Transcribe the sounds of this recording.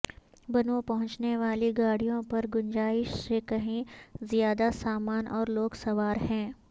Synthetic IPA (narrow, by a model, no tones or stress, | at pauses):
bɐnõpɐɦʊ̃t͡ʃneʋaːliɡaːɽ̤ijõpɐɾɡʊnd͡ʒaːɪʃsekɐɦĩzijaːd̪asaːmaːnʔɔːɾloːɡsɐʋaːɾɦɛ̃ː